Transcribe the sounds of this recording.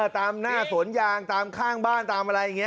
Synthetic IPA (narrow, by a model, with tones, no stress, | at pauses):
t̪aː˧mnaː˥˩su˩˦ənjaː˧ŋt̪aː˧mkʰaː˥˩ŋbaː˥˩nt̪aː˧mʔa˧ɾa˧ja˨˩ŋːi˦˥